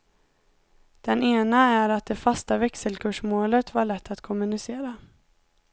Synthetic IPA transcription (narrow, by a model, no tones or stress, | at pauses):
d̪̥ɛneːnaæɾat̪̚d̪ɛfast̪avɛksəlkʰɵʂmoːlət̪vaɭɛt̪ʰːat̪kʰɔmːɵnɪseːɾa